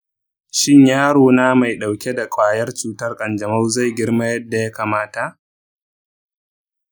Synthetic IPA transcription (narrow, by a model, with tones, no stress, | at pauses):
ʃɪ˦ɲjaː˦ɽoː˨naː˦ma˨jɗa˨wkʲe˦da˨kʷʼaː˨jɐ˦rt͡ʃuː˦tɐ˦rkʼɐ˨nd͡ʒɐ˨ma˦wza˦˨jɡʲɪ˦ɽma˦jɐ˦dːa˨ja˦kaː˨maː˦ta˨ʔ